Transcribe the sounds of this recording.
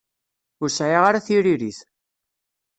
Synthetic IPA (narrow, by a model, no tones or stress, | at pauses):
ʊɾsæjaʁaɾaθiɾiɾiθ